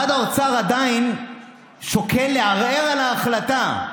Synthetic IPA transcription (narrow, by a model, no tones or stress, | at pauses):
ad̪aot͡saʁad̪ain | ʃokʰelːeaʁeʁalaːχlat̪a